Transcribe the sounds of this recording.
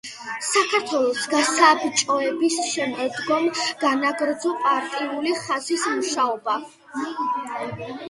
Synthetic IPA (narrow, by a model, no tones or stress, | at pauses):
sakʰaɾt̪ʰwɛlˠɔsɡasabt͡ʃʼɔɛbisʃɛmɛd̪ɡɔmɡ̥anaɡɾd̪zɔpʼaɾt̪ʼiuliχazismuʃaɔba